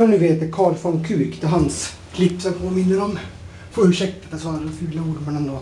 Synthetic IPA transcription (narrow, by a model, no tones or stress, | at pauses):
ɔɳʉːveːt̪əɾkʰɑːɾfɔnkʰʉːkt̪ɛɦans | kʰlɪpːsɔmpʰoːmɪnːəɾɔm | pʰɔʉʂɛkt̪əd̪ɛsɑːɾaɔfʉːlaʊɖmənɛnd̪oː